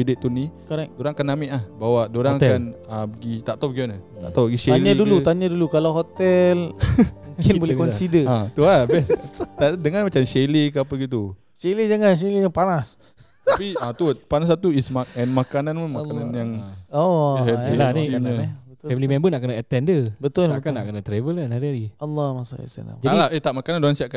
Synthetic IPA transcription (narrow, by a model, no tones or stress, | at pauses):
ideʔt̪ːunikɔɾɛkdoɾaŋakanamɛʔlahbawadoɾaŋakanabəɡit̪aʔt̪awbəɡianat̪a̰ʔt̪awəɡiʃeaɲadulut̪aɲadulukalaɦot̪ɛlmũŋkɪnbolɛkɔnsidəat̪uabɛst̪adəŋanmat͡ʃamʃelekəapəɡit̪u | ʃeled͡ʒaŋanʃelejaŋpanas | t̪apiat̪upanas̬at̪uismakɛnmakananmamakanannjaŋoɛilaniɲbəfɛblimɛ̃mbənaʔkənəɛt̪ɛndəbət̪ʊlnkanːa̰ʔkənat̪ɾevəlanhaɾiaɾiɑlːɔmasṵḭsa̰na̰d͡ʒadilaʔət̪aʔmakananduansiaʔka